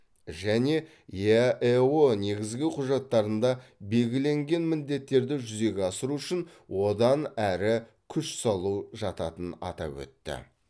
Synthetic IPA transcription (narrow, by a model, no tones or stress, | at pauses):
ʒæne̞ | eone̞ɡʲɪzɡʲɪqʰʊʒɑt̪ːɑɾənd̪ɑbe̞lɡʲɪle̞ŋɡʲe̞nmɪnd̪e̞t̪ːe̞ɾd̪ɪʒʏze̞ɡʲeɑsəɾuʏʃɪnwo̞d̪ɑnæɾɪ | kʲʰʏʃsɑlˠuʒɑt̪ɑt̪ənɑ̰t̪ɑ̰pwɵ̰t̪ːɪ̰